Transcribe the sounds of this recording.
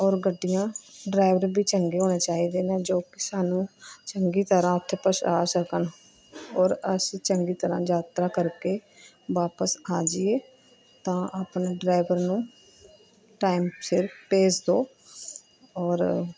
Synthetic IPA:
ɔːɾɡəɖːijãːɖɾaːɪʋəɾbiːt͡ʃəŋɡeːɦoːneːt͡ʃaːiːd̪eːnẽːd͡ʒoːkɪsaːnũːt͡ʃəŋɡiːt̪əɾãːʊt̪ʰːeːpəʃaːsəkən | ɔːɾəst͡ʃəŋɡiːt̪əɾã̰ːd͡ʒaːt̪ɾaːkəɾkeː | ʋaːpəsaːd͡ʒɪeː | t̪ãːʔaːpneɖɾaːɪʋəɾnũː | ʈaːimfʰɪɾpeːd͡ʒd̪oː | ɔːɾ

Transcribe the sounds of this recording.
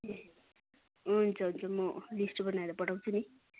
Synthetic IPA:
ɦunt͡sʰʌɦunt͡sʰʌmʌlisʈbʌnaeɾʌpʌɽaw̃t͡sʰuni

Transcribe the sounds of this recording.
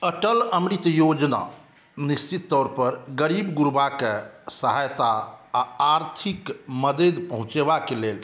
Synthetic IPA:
əʈələmɾit̪əjod͡ʒna̰ | nist͡ʃit̪ːɔɾpəɾɡəɾibɡuɾbakesəɦajt̪aaːɾt̪ʰikməd̪ed̪pəɦũt͡ʃebakelel

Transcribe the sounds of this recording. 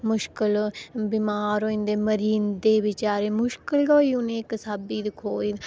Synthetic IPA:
mʊʃkəlbimaːɾoːĩnd̪eːməɾiːnd̪eːbɪt͡ʃaːɾeːmʊʃkəlɡoːiːʊnẽːksaːbiːd̪ɪkʰoːiːd̪

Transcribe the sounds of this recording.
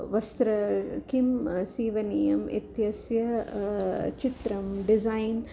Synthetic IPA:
ʋɐst̪ɾɐkimsiːʋɐniːjɐmḭt̪jɐsjɐ | t͡ʃit̪ɾɐmɖizɐjn

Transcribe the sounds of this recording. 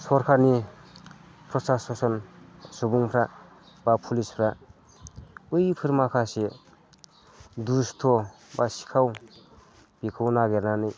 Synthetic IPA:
sɔɾkʰaɾni | pʰɾɔsasɔsɔnsubuŋpʰɾa | bapʰulispʰɾa | ɯjpʰɯɾmakʰase | dust̪ʰo | basi̥kʰaw | b̥ikʰɯwnaɡeɾnanɯj

